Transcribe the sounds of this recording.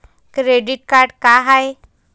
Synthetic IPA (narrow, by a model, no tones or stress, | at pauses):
kɾeɖiʈ̚kaɾɖkaɦaj